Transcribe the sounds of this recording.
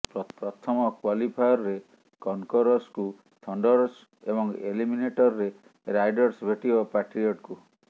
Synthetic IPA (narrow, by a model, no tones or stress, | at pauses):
pɾɔpɾɔt̪ʰɔmɔkwalipʰajɔɾɾe | kɔnkɔɾɔsku | t̪ʰɔɳɖɔɾs | ebɔŋḛlimineʈɔɾɾe | ɾajɖɔɾsbʱeʈibɔpaʈɾiɔʈku